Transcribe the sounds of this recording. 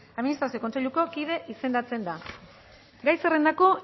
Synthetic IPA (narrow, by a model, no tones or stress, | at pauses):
aðminist̪ɾasio̞ko̞nt͡se̞ʎuko̞kiðe̞ʔise̞nd̪at͡se̞nd̪a | ɡajsere̞nd̪ako̞